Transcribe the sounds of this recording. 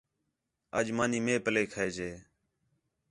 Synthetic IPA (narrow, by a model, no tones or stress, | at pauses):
əd͡ʒmaːniːmeːpəleːkʰəeːd͡ʒeː